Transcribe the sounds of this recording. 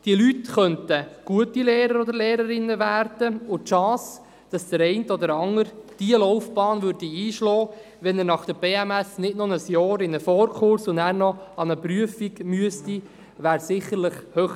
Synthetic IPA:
d̥iəlytχœntəɡ̥uətileːɾəɾɔd̪əɾleːɾəɾɪnːəʋæːɾd̥əʊtʃɑ̃ːs | d̥ɑsd̥əɾɛɪntəɔd̪əɾɑŋəɾd̥iəlɔwfb̥ɑːnvʏɾdiiːʃlɔː | ʋɛnənɑχd̥əb̥eːæmɛsnɪdnonəsjɔːɾɪnəfɔːɾkʰχʊɾsʊnæːɾnɔɑnəpɾyəfiɡmyəsti | ʋæːɾsɪχːəɾləχhøχ

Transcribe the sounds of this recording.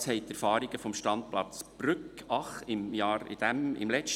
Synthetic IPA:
shɛɪt̪æɾfɑːɾiɡ̥əfɔmʃtɑnd̪̚plɑt͡sb̥ɾʏkɑχɪmjɑːɾɪ̰d̥̪æmɪ̰mlɛt͡ʃt

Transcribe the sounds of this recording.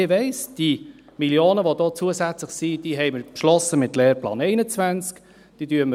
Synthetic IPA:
ɪʋɛɪsd̥i | miljoːnəʋod̥oːt͡suəzæt͡slɪχsid̥iːɦɛɪməɾpʃlɔsəmɪtlɛːɾplɑ̰ːnɛɪnət͡svænt͡sk | d̥idyəmə

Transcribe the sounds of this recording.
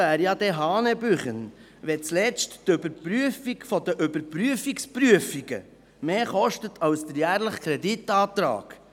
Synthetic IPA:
æːɾjɑd̪ɛɦɑːnɛbyχən | ʋɛt͡slɛt͡stːʏbəɾpɾyəfiɡfɔd̪əʔʏbəɾpɾyəfikspɾyəfiɡə̰ | meːχɔʃtətʰɑwsd̥̪əɾjæːɾləχkʰɾɛdit̪ɑːt̪ɾɑ̰ːɡ̥

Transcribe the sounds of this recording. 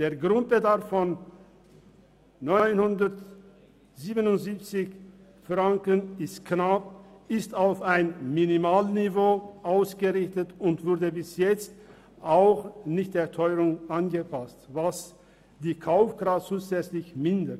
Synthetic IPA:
d̥eːɐɡʁʊnt̚b̥ədaɐfːɔn | ɔʏnhʊndɐt | ziːbənʊntz̥iːp̚t͡sɪç | fʁaŋkənɪstknap̚ɪstaʊfaɪnminimaːlnivoːʔaʊsɡ̥əʁɪçtətʊntv̥ʊɐdəbɪsjɛt͡st | ʔaʊxnɪçt̚d̥eːɐtʰɔʏʁʊŋʔanɡəpʰastvas | d̥iːkʰaʊfɡ̥ʁat͡sːuːzɛt͡slɪçmɪndət

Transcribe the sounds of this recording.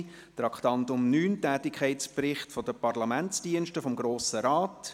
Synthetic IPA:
t̪ɾɑkʰt̪ɑnt̪ʊmnyːntæːtɪkʰχɛɪtt͡sprɪχtfɔd̥əpɑrlɑmænt͡sd̥iənʃtəfɔmɡɾoːsəɾaːt

